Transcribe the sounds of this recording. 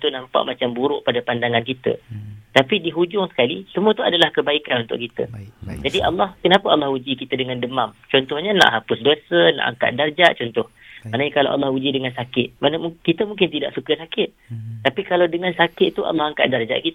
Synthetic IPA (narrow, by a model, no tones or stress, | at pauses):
t̪unampa̰ʔmat͡ʃambuɾʊʔpadapandaŋankit̪ə̰t̪apidiɦud͡ʒʊŋsə̥kalisəmuət̪uadalahkəbaikanunt̪ʊ̰ʔkit̪ə̰d͡ʒadiʔalːɑhkənapəalːɑhud͡ʒikit̪ədəŋandəmamt͡ʃɔnt̪ʊhɲana̰ʔɦapʊsdosəna̰ʔa̰ŋka̰ʔ̪̚dard͡ʒaʔt͡ʃɔnt̪ʊh | maʔnəɲakala̰ʔa̰lːɑhud͡ʒidəŋansakɪt̪̚mankit̪əmuŋkɪnt̪ida̰ʔsukəsakɪt̪̚t̪ːapikalawdəŋansakɪt̪̚t̪ːuʔa̰lːɑɦaŋka̰ʔ̪̚dard͡ʒa̰ʔkit̪